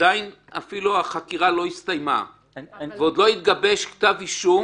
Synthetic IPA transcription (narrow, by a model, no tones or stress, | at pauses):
ajin | a̰filuaχakiʁalo̞ist̪ajma̰ | veod̪lo̞it̪̚ɡabe̞ʃkt̪aviʃu